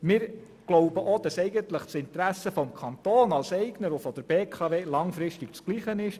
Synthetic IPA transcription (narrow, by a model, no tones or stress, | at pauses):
mɪːɾ | ɡ̥lowbəʔod̥̪ɑsɛɪɡənt̪ləχsɪnt̪ɾæsːəfɔmkʰɑnt̪oːnɑlsɛɪɡnəɾʊfɔd̪əɾb̥eːkʰɑveːlɑŋfɾɪʃtɪk̚t͡sɡ̥liːχənɪʃ